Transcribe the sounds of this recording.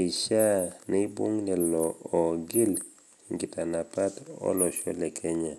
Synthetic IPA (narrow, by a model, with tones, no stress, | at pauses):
i˨ʃa˦nɪ˦bwo̰˦ŋnɛ˨lɔ˨ɔ˨ɡɪ˦l | ŋɡɪ˨ta˨na˨pa˦tɔ̰˦lɔ˨ʃɔ̰˦lɛ˨kʰɛ˦ɲa˨